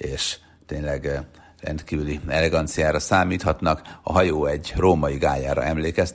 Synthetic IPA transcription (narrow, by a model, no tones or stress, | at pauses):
eːʃ | t̪eːɲlɛɡ | rɛ̰nt̪kiːvyliɛlɛɡɒnt̪sijaːɾɒsaːmiːt̪hɒt̪nɒkɒ̰ɦɒjoːɛɟroːmɒjiɡaːjaːɾɒ̰ɛmleːkɛst̪